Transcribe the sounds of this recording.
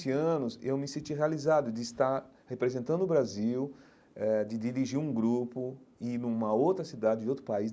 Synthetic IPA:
sɪɐ̃nʊsewmɪsẽt͡ʃiɦealizad̪ʊd̪ɪːst̪aɾ | hepɾezẽnt̪ɐ̃nd̪ʊbɾaziw | ɛd̪ɪd̪iɾiʒiɾũɡɾupʊɪnũmɐowt̪ɾɐsid̪ad͡ʒɪd͡ʒɪowt̪ɾʊpaiz

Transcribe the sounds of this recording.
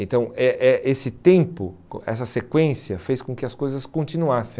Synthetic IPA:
ẽnt̪ɐ̃w̃ɛʔɛʔesɪt̪ẽmpʊɛ̰sɐsekwẽsiɐfejskõkɪɐskojzɐskõnt͡ʃinuasẽ

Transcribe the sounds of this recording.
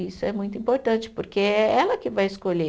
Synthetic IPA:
isʊɛmũj̃t̪ʊĩpoɾt̪ɐ̃nt͡ʃɪ̥poɾkeɛɛlɐkɪvajɪskoʎe

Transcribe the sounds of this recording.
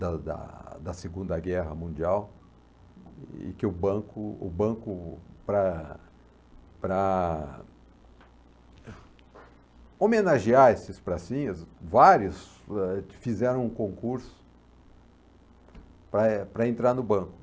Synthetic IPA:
d̪ɐd̪ɐ̰d̪ɐseɡũnd̪ɐɡɛɦɐmũnd͡ʒiaw | ɪ̰kɪʊbɐ̃kʊʊbɐ̃kʊpɾɐ | pɾɐ | omenaʒiaɾesɪspɾasĩɲɐsvaɾjʊsɛfizɛɾɐ̃w̃ũkõkuɾsʊ̥ | pɾɐpɾɐẽnt̪ɾaɾnʊbɐ̃kʊ̥

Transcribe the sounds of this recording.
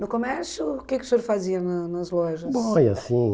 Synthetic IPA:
nʊkomɛɾsjukɛku̥soɾfaziɐnɐnɐzlˠɔʒɐbsõfojɐsĩ

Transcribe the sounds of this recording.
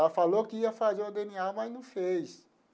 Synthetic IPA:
afalokɪiɐfazeod̪ẽniamɐznɐ̃w̃fejs

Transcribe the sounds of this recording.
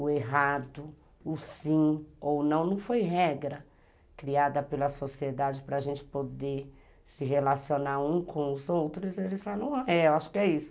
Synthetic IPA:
ʊeɦad̪ʊ | ʊsĩownɐ̃w̃nɐ̃w̃fojɦɛɡɾɐ | kɾiad̪ɐpelɐsosied̪ad͡ʒɪpɾɐaʒẽnt͡ʃɪ̥pod̪e | sɪɦelasionaɾũkʰõw̃ʊzowt̪ɾʊzelɪzʒanɐ̃w̃aɛeaʃʊ̥kɪɛisʊ̥

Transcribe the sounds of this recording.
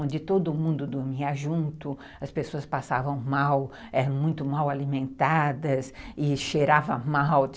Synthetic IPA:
õd͡ʒɪt̪od̪ʊːmũnd̪ʊd̪ʊɾmiɐʒũnt̪ʊ | ɐspesoɐspasavɐ̃w̃maw | ɛɐ̃mũj̃t̪ʊmawalimẽnt̪ad̪ɐsɪʃeɾavɐmaw

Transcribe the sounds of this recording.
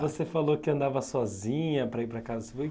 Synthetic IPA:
vosefalokɪɐ̃nd̪avɐsɔzĩɲɐpɾɐipɾɐkazɐsefoj

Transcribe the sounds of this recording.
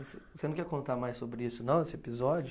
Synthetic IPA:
sesenɐ̃kɛɾkõnt̪aɾmajssobɾɪisʊnɐ̃w̃esɪepizɔd͡ʒʊ

